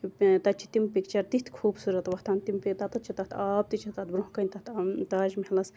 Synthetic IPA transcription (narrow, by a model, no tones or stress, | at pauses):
it̪ɐt͡ʃʰi̥t̪impikt͡ʃɐɾt̪it̪ʰkʰuːbsuɾɐt̪ʋɐht̪ʰaːnt̪impit̪ɐt̪ɐt͡ʃʰit̪ɐt̪ʰaːb̚t̪it͡ʃʰit̪ɐt̪bɾoɦkɐnʲt̪ɐt̪ʰt̪aːʒmelɐs